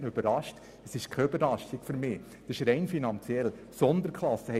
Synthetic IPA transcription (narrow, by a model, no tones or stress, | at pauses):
nəøb̥əɾɑʃt | əsɪʃkʰɛøbəɾlɑʃtɪkføɾmɪː | d̥əʃɾɛɪnfinɑnt͡sjɛl | sɔnd̪əɾkʰχlɑsːəhɛ